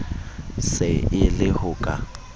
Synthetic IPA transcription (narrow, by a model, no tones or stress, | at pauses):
sɪɪlɪhʊkʼa̰